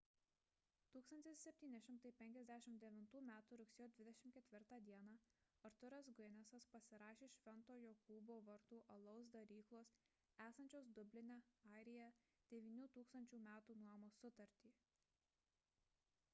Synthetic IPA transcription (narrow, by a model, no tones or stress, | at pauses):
t̪uːksɐnʲt̪ʲɪsʲsʲɛpʲt̪ʲiːnʲɛʃʲɪmt̪ɐɪpʲɛŋʲkʲɛzʲd̪ʲæʃʲɪmd̪ʲɛʋʲɪnt̪uːmʲæːt̪uːɾʊksʲejoːd̪ʲʋʲɪd̪ʲɛʃʲɪmt̪kʲɛt̪ʲʋʲɪɾt̪ɑːd̪ʲiɛnɑ | ɐɾt̪ʊɾɛsɡnʲɛsɐspɐsʲɪɾɑːʃʲeːʃʲʋʲɛnt̪oːjoːkuːboːʋɐɾt̪uːʔɐlˠɔʊs̬d̪ɐɾʲiːklˠoːs | æːsɐnʲt͡ʃʲoːsd̪ʊbʲlʲɪnʲɛɑˑɪɾʲɪjɛd̪̥ʲɛʋʲiːnʲuːt̪uːkst̪ɐnʲt͡ʃʲuːmʲæːt̪uːnuɔjmoːsʊt̪ɐɾʲt̪ʲiː